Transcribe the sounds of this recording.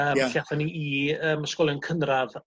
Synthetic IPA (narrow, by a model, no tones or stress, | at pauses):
əːɬjaθaniʔiəːməskɔlˠjɔnkʰənrað